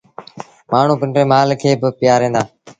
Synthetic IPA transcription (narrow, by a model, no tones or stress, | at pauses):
maːɳ̤ũːpɪɳʈɾeːmaːlkʰeːbɪpɪjaːɾẽːnd̪aː